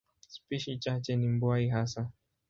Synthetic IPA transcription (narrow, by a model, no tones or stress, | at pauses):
spiʃit͡ʃat͡ʃɛnim̩bwaiɦasa